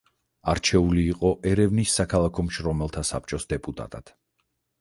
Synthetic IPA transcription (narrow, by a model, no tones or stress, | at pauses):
aɾt͡ʃʰɛuliːqʼɔʔɛɾɛvnisːakʰalˠakʰɔmʃɾɔmɛlˠt̪ʰasa̰p̚t͡ʃʼɔsd̪ɛpʼut̪ʼa̰t̪ʼa̰d̪̥